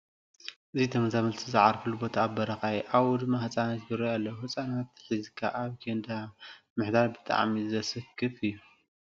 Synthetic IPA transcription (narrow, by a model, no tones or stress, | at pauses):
ʔɨzit̪ʰɐmɐzamɐlt̪ʰizɨʕaɾfɨlubo̞t̪ʰaːbɐɾɐxajʔaβwɔd̪mahɨt͡sʼanat̪ɡɨɾojalːɐwuhɨt͡sʼanat̪ːħizɨkʰːaʔaβd͡ʒend̪a | mɨħd̪aɾbɨt̪ʼa̰ʕmizɐsɨkʰːɨfɨjːu